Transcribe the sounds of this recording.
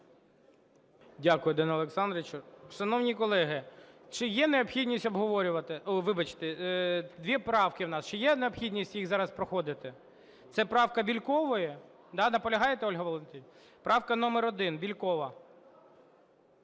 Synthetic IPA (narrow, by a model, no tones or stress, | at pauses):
dʲakʊjʊd̪ɛnɔlˠeksɑnd̪ɾɪt͡ʃʊʃɐnɔwnʲikɔlˠɛɦɪt͡ʃɪjɛneɔpxʲidʲnʲisʲtʲɔbɦɔʋɔɾʲʊʋɐt̪ɪʋɪbɐt͡ʃt̪ɛd̪ʋʲipɾɑwkɪwnɑst͡ʃɪjɛneɔpxʲidʲnʲisʲtʲjixzɑɾɐspɾɔxɔd̪ɪt̪ɪ | t̪sɛpɾɑwkɐbʲilʲkɔʋɔjɛ | d̪ɑnɐpɔlʲɐɦɑjet̪ɛɔlʲɦɐʋɔlˠent̪ʲinʲ | pɾɑwkɐnɔmeɾɔd̪ɪnbʲilʲkɔʋɐ